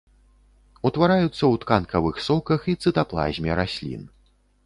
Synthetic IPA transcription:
ut̪vaɾajut̪sːɐwt̪kankɐvɨxsɔkɐxit̪sɨt̪aplˠa̰zʲmʲɛɾasʲlʲḭn

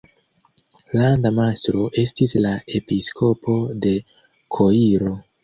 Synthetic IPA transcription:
landamastɾo̞ʔe̞stislae̞piskʰo̞pʰo̞de̞ | kʰo̞iɾo̞

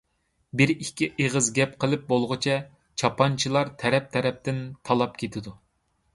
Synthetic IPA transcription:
bɪɾikʲːiʔeʁɨzɡʲɛp̚qʰəlˠɨp̚bolˠʁɨt͡ʃʰɛ | t͡ʃʰɑpʰɑnt͡ʃʰilˠɑɾt̪ʰɛɾɛp̚t̪ʰɛɾɛp̚t̪ɪnt̪ʰɑlˠɑp̚kʲʰet̪ʰɪd̪u

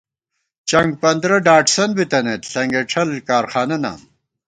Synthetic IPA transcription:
t͡ɕɐŋɡ̚pɐnd̪ɾɐɖaːʈsɐnbit̪ɐnet̪ɬɐŋɡeʈʰɐlkaːɾxaːnɐna̰ːm

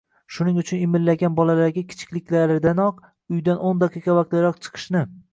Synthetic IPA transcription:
ʃʊnɪŋʊt͡ʃʰʊnɪmɪlːaɡʲanbɒlalaɾɡʲakʲʰɪ̥t͡ʃʰɪ̥kʲlɪkʲlaɾɪd̪anɒq | ʊjd̪anʔond̪aqʰiqɑvaqt̪lɪɾɒqt͡ʃʰɨ̥qʰɨ̥ʃnɪ

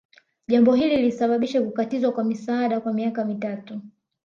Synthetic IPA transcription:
ʄambɔɦililisaɓaɓiʃakukatizwakwamisaːɗakwamiakamitatu

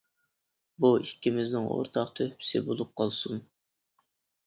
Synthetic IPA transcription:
buikʲʰːɪmɪznɪŋʔo̰ɾt̪ʰɑqt̪ʰøhpʰɪ̥sɪbolˠup̚qʰɑlˠsun

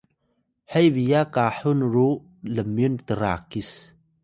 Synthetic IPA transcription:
ħəjbijakaħunɾu | ləmjunt̪əɾa̰ːkis

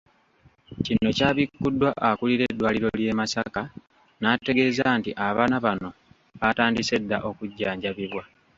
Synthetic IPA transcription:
cinːo̞caːβikːudːwaʔakuliɾe̞dːwaːliɾo̞lje̞ːmasaka | naːte̞ɡe̞ːzantiʔaβaːnaβano̞ | βataːndise̞dːaʔo̞kuɟːaːɲɟaβiβwa

